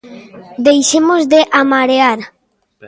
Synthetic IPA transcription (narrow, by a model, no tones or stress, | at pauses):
d̪ejʃemozd̪eʔamaɾeaɾ